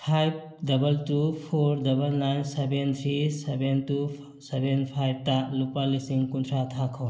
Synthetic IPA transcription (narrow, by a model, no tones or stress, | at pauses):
pʰajb̚ | dɐbɐltupʰoɾdɐbɐlnajnsebent̪ʰɾisebentu | sebʱenpʰajb̚talupalisiŋkunt̪ʰɾat̪ʰakʰɔw